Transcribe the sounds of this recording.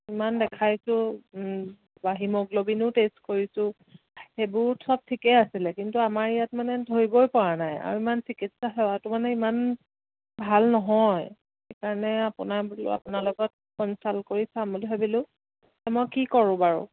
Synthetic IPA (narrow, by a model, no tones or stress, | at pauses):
imandɛkʰajsʊ̃ | baɦimɔɡlobinʊtestkoɹisʊ̃ | xebʊɹsɔb̚tʰikɛasilɛkintuamaɹijatmanɛdʱoɹibɔjpɔɹanaja̰ɹuimansikitsaɦɛwatʊmanɛiman | bʱalnɔɦɔj | xejkaɹɔnɛapʊnaa̰pʊnalʊɡɔt̚kɔnsalkoɹisamuliɦobilʊ̃ | ɛmɔjkikɔɹʊ̃baɹʊ̰